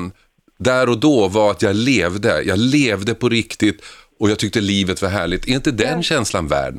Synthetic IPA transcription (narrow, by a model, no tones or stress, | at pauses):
n | d̪æɾɔd̪ɔvaɾat̪jɑleːvd̪əjʔɑɡleːvd̪əpʰɔɾɪkt̪ɪt̪ | ɔjɑːɡt̪ʰʏk̚t̪əliːvət̪vaɾɦæːɭɪt̪ʰɛɾɪnt̪əd̪ɛnɕɛnslanvæ̰ːɖ